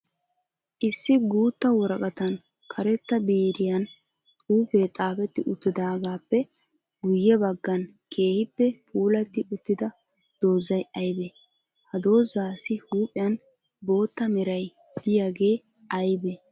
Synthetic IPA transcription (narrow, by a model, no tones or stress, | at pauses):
ʔɪsːɪɡuːt̪ːɐwɔɾɐkʼɐt̪ɐn | kʰɐɾɛt̪ːɐbeːɾɪjɐn | uːpeːt̪ʼaːfɛt̪ːɪʔʊt̪ːɪd̪aːɡaːpːɛ | ɡʊjːɛbɐɡːɐn | kʰe̞ːhɪpːɛpʰʼuːlɐt̪ːɪʔʊt̪ːɪd̪ɐ | d̪̥o̞ːzɐjɐjbe | hɐd̪o̞ːzaːsɪhuːpʼɪjɐn | bo̞ːt̪ːɐmɛɾɐj | d̪̥ɪjaɡe̞ː | ɐjbɛ